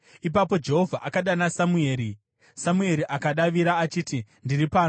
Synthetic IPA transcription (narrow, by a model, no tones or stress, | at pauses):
ip̬apo̞d͡ʒe̞ɦo̞vʱaʔakaɗanasamue̞ːɾi | samue̞ɾiʔakaɗaʋiɾaːt͡ʃiːtindiripaːno